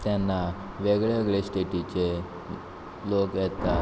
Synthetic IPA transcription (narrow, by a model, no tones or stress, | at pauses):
t̪janːa | ʋeɡɭeʋeɡɭesʈeʈit͡ɕe | lokjɛt̪a